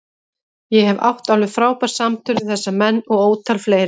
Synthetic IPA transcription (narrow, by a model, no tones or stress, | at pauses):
jɛhɛva̰wht̪awlʏfɾaːwpaɾ̥samt̪ʰʏɾðɪθɛsːamɛnːɔɣoːwt̪ʰalfleːjɾɪ